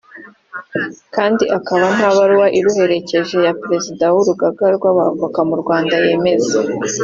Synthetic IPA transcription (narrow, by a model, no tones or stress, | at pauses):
kaːndiʔakaβan̥haβaɾuwaʔiɾuhe̞ɾe̞ce̞ʒe̞japɾe̞zidawuɾuɡaɡaɾɡwaβa̰vakamuɾɡwaːndaje̞ːme̞ze